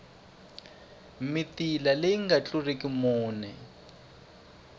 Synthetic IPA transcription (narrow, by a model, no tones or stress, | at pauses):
mitilaleiŋɡat͡ɬurekʼimuːnɛ